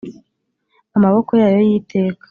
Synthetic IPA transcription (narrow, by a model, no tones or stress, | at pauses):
amaβo̞ko̞jaːjo̞jitʰe̞ːkḁ